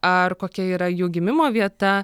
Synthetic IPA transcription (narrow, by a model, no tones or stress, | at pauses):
ɐɾkoːkʲɛiːɾɐjuːɡʲɪmʲɪmoːʋʲiɛt̪ɐ